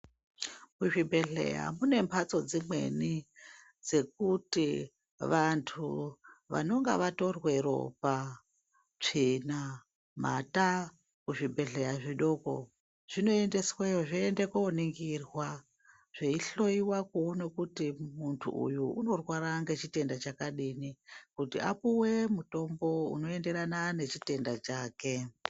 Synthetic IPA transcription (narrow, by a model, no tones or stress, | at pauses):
kuʐibʱe̞ɮḛja̰mune̞mpʰat͡so̞d͡zimwe̞̰ni | d͡ze̞k̚uti | ʋantʰuʋa̰no̞ŋɡa̰ʋato̞rwe̞ɾo̞̰pa | t͡ʂena | ma̰ta | kuʐibʱe̞ɮe̞jaʐiɗo̞ko̞ | ʐ̥ino̞e̞nde̞swejoʐiendekoniŋɡirwa | ʐ̥eiɬo̞iwakuno̞kutimuntʰṵʔṵjuʔuno̞rwaɾaŋɡe̞t͡ʃite̞ndat͡ʃakaɗinikutḭapuwe̞muto̞mbo̞ṵno̞e̞nde̞ɾanane̞t͡ʃite̞ndat͡ʃaːke̞